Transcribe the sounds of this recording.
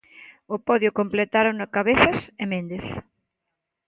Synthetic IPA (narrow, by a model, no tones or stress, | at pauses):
ʊpɔðjʊkomplet̪aɾonokaβeθɐsemẽnd̪eθ